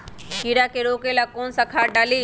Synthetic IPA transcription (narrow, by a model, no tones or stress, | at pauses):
kiɾakeɾoːkelakoːnsɐkʰaːɖaːliː